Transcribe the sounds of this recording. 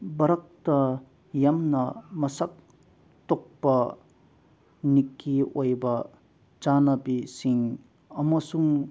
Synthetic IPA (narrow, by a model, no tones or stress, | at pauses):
bɐɾɐk̚tɐ | jamnɐmɐsak̚ | tok̚pɐ | nikːiojbɐ | d͡ʒanɐbisiŋ | ɐmɐsuŋ